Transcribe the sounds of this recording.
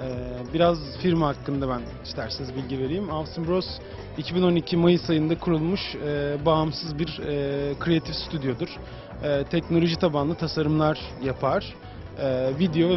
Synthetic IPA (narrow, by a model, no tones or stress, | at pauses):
ɛːbiɾazfiɾmhakːɯnd̪abæn | iʃt̪ʰæɾsenizbilʲɟive̞ɾijimalˠsɯmbɾos | icʰibino̞nicʰimajɯsajɯnd̪akʰuɾulˠmuʃɛːbaːmsɯzbiɾɛkʰɾejat̪ʰifsyt̪ʰyd̪ijo̞d̪uɾ̥ | ɛːt̪ʰɛcno̞lʲo̞ʒit̪ʰabanlˠɯt̪ʰasaɾɯmlˠaɾjapʰaɾ̥ | ɛːvid̪ejo̞vɛ